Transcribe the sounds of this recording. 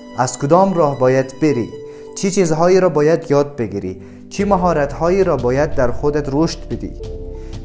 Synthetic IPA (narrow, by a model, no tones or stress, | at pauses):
azkʊd̪ɔmɾɒːhbɒjad̪beɾi | t͡ʃʰit͡ʃʰizɦɔːiɾɔbɒːjad̪jɒːd̪̚beɡiɾḭ | t͡ʃʰimaɦɔːɾat̪hɔːiɾɔbɒːjad̪ːæɾxod̪at̪ɾuʃt̪bid̪ḭ